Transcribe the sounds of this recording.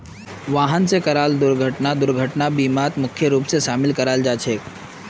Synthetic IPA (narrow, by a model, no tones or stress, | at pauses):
ʋaɦənt͡sekəɾald̪ʊɾɡʱəʈnad̪ʊɾɡʱəʈnabiːmat̪mʊkʰːjəɾuːpseʃamɪlkəɾald͡ʒat͡ʃʰek